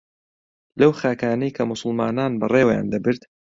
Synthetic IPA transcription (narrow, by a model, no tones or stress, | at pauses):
lɐwxaːkaːnɐjkʰɐmʊsʊlˠmaːnaːnbɐrˤeːwja̰ːnd̪ɐbɨɾt̪